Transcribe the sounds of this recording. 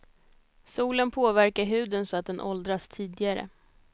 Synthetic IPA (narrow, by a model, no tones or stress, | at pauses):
suːlənpʰoːvæɾkaɾɦʉ̟ːd̪ənsɔat̪̚d̪ɛnʔɔld̪ɾast̪ʰiːd̪ɪɡaɾə̰